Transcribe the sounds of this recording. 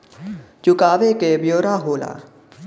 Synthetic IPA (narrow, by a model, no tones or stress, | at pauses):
t͡ʃʊkaːʋekeːbjoːɾaːɦoːla̰ː